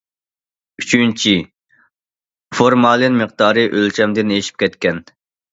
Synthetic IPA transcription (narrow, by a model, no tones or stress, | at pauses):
yt͡ʃʰynt͡ʃʰi | foɾmɑːlˠɨnmɨqd̪ɑːɾɨʔølt͡ʃʰɛmd̪ɪneʃi̥p̚kʲʰɛt̪kʲɛn